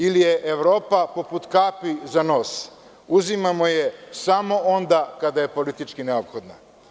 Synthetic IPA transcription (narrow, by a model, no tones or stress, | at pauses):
ilijeʔeʋɾo̞ːpapo̞put̪kapizano̞ːs | uzimamo̞je̞samo̞ond̪akad̪aje̞po̞lit̪it͡ʃkineopxod̪na